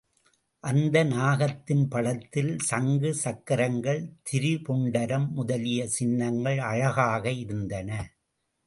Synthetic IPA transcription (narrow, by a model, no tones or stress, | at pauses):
ʔɐnd̪ɐnaːɣɐt̪ːɪnpɐɽɐt̪ːɪlsɐŋɡɯsɐkːɐɾɐŋɡɐɭt̪ʰɪɾɯpɔɳɖɐɾɐmːʊðɐlɪjɐsɪnːɐŋɡɐɭɐɻɐɣaːɣɐɪɾɯnd̪ɐnɐ